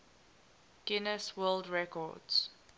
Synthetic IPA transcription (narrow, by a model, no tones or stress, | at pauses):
ɡ̥ɪnəswɜːldɹɛkɔ̰dz̥